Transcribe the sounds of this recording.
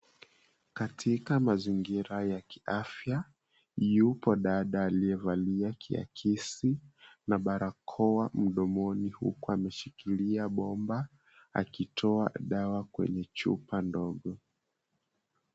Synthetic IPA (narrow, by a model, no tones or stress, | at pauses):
katʰikamaziŋɡiɾajaki̥ʔafja | jupɔɗaɗaːliɛvaliakʰia̰kʰisinaɓaɾakʰɔwam̩ɗɔmɔnihṵkuamɛʃikiliaɓɔmba | a̰kitʰɔa̰ɗawakwɛ̰ɲɛt͡ʃṵpandɔɠɔ